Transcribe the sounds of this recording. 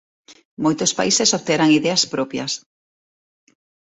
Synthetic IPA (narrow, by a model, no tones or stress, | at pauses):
mojt̪ospa̰isɪsoβt̪eɾaŋiðɛaspɾopjɐ̰s